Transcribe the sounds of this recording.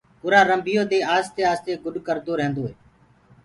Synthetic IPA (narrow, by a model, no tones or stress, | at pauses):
ʊɾaːɾəmbʱɪjoːd̪eːaːst̪eːaːst̪eːɡʊɗkəɾd̪oːɾɛ̃ːnd̪oːɦeː